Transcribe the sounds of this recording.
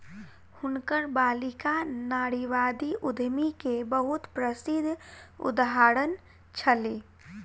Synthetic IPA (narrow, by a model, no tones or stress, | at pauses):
hʊnkəɾbaːlɪkanaːɽiʋaːd̪iʔʊd̪ʱmikebəɦʊt̪pɾəsɪd̪ʱːṵd̪aɦaːɾən | t͡ʃʰəle